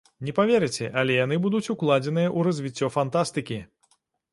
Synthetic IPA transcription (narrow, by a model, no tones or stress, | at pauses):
nʲɛpavʲɛɾɨt͡sʲɛʔɐlʲɛjan̪ɨbud̪ut͡sʲuklˠad͡zʲɛnɨjɐʔuɾɐzʲvʲit͡sʲːɔfant̪ast̪ɨkʲi